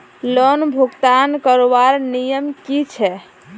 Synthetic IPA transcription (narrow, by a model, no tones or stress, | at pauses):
lɔnbʱuɡt̪ankəɾobaɾnijəmkit͡ʃʰɛ